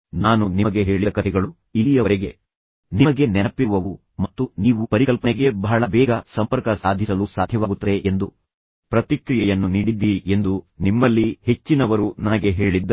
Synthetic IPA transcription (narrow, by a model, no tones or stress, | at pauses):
naːnunimɐɡe̞ɦe̞ːɭiɐkɐt̪ʰɛɡɐɭu | ilijɐʋɐɾeɡe̞ | nimɐɡe̞nɛnɐpːiʋɐʋu | mɐt̪ːuniːʋupɐɾikɐlpɐneɡe̞bɐɦɐɭɐbɛːɡɐsɐmpɐɾkɐsaːd̪ʱisɐlusaːd̪ʱjɐʋaːɡut̪ːɐd̪eʔend̪u | pɾɐt̪ikɾijɛjɐnːuniːɽid̪ːiʔe̞nd̪unimːɐlːihe̞t͡ʃːinɐʋɐɾunɐnɐɡe̞ɦe̞ːɭid̪ː